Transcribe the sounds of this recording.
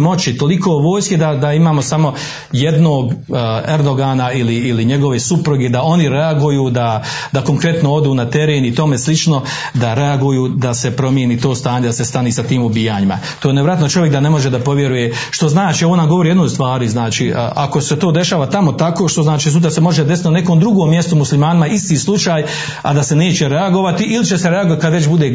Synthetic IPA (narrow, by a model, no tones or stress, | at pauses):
mo̞t͡ʃit̪o̞likʰoʋo̞ːjskid̪ad̪aimaːmo̞samo̞ | je̞d̪no̞ːɡeɾd̪o̞ɡaːnailiːliɲe̞ɡo̞ʋe̞supɾuɡed̪ao̞niɾe̞aɡujuːd̪a | d̪ako̞ŋkɾe̞t̪noo̞d̪uːnat̪e̞ɾeːnit̪o̞meslit͡ʃno̞ | d̪aɾe̞aɡujuːd̪ase̞pɾo̞mjeːniːt̪oːst̪aːɲe̞d̪ase̞st̪aniːsat̪iːmubijaɲima | t̪oːjnejɾat̪not͡ʃo̞ʋjekd̪ane̞mo̞ʒed̪apo̞ʋje̞ɾuje̞ | ʃt̪o̞znaːt͡ʃieʋonaɡo̞ʋo̞ɾijed̪noːjst̪ʋaːɾiznaːt͡ʃiːʔʔa̰ko̞set̪o̞ːd̪e̞ʃaːʋat̪amo̞t̪ako̞ːʃt̪o̞znaːt͡ʃiːsut̪̬ɾasemo̞ʒed̪sit̪nane̞komd̪ɾuɡoːmːje̞st̪omuslimaːnimaist̪iːslˠut͡ʃaːj | a̰d̪ase̞ne̞ːt͡ɕe̞ɾe̞aɡo̞ʋat̪iʔilit͡ʃe̞se̞ɾe̞aɡoat̪̚ʲkad̪ʋet͡ʃbud̪eː